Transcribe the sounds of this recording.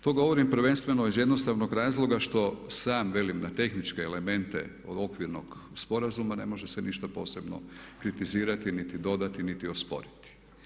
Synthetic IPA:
t̪o̞ɡo̞ʋo̞ɾimpɾ̩ʋe̞nst̪ʋe̞noizjed̪nost̪aʋnoɡɾaːzlˠo̞ɡaʃt̪o̞saːmʋe̞limnat̪e̞xnit͡ʃkeːle̞me̞nt̪ḛ | oo̞kʋiɾno̰ɡspo̞ɾazumane̞̰mo̞ʒeseniʃt̪apo̞̰ːse̞bno̰kɾit̪iziːɾat̪init̪id̪o̞d̪at̪init̪iospo̞̰ɾit̪i̥

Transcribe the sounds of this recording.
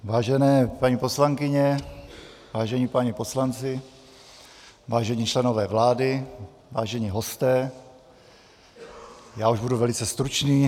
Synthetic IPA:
vaːʒɛnɛːpaɲipo̞slaŋkɪɲɛ | vaːʒɛɲipaɲipo̞slant͡sɪ | vaːʒɛɲiːt͡ʃlɛno̞vɛːvlaːdɪ | vaːʒɛɲiːɦost̪ɛː | jaːuʒbuduvɛlɪt͡sɛst̪ɾut͡ʃniː

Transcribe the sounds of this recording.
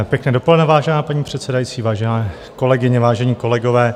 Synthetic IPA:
pjɛknɛːdopolɛdnɛvaːʒɛnaːpaɲiːpr̝̥ɛt̪sɛdajit͡siːvaːʒɛnɛː | ko̞lɛɡɪɲɛvaːʒɛɲiːko̞lɛɡovɛː

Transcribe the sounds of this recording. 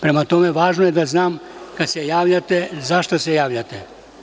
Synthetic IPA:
pɾemat̪omeʋaːʒnojed̪aznaːmkad̪sejaːʋʎat̪ezaʃt̪asejaːʋʎat̪e

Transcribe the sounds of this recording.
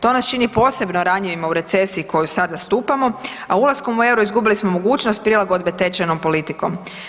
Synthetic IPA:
t̪o̞nast͡ʃinipo̞ːse̞bnoɾaɲiʋimauɾe̞t̪se̞siːkʰo̞jusad̪ast̪uːpamo̞ | aulˠasko̞mue̞wɾuizɡubilismo̞mo̞ɡuːt͡ʃnost̪̚pɾilaɡod̪̚be̞t̪e̞t͡ʃeno̞mpo̞lit̪iko̞m

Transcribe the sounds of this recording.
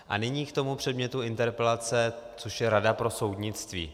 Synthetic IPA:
ʔa̰nɪɲiːkt̪o̞mupr̥ɛdmɲɛt̪uɪnt̪ɛɾpɛlat͡sɛt͡soʃjɛɾadapɾo̞so̞wdɲɪt͡st̪vḭː

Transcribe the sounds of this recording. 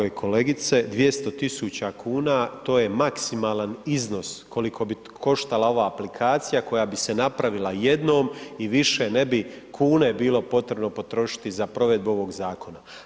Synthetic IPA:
jekʰo̞le̞ɡit̪se̞d̪ʋje̞st̪o̞t̪isut͡ɕakʰuːnat̪o̞ːje̞maksimaːlˠanizno̞skʰo̞likʰo̞bi | kʰo̞ʃt̪alˠao̞ʋaːplikʰaːt̪sijako̞jabise̞napɾaʋilaje̞d̪no̞ːmiʋiʃe̞ne̞bi | kʰuːne̞biːlo̞po̞t̪ɾe̞bno̞po̞t̪ɾo̞ʃi̥t̪izapɾo̞ʋe̞d̪buo̞ʋo̞ɡzaːkʰo̞na

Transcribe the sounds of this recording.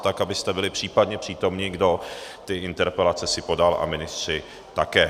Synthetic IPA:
t̪akabɪst̪ɛbɪlɪpr̥iːpadɲɛpr̝̥iːt̪o̞mɲɪɡdo̞t̪ɪɪnt̪ɛɾpɛlat͡sɛsɪpo̞dalʔa̰mɪnɪst̪r̝̥ɪ | t̪akɛː

